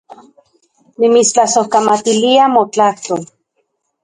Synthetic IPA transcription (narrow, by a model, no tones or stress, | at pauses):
nimit͡st͡ɬasohkamat̪iliamot͡ɬaht̪ol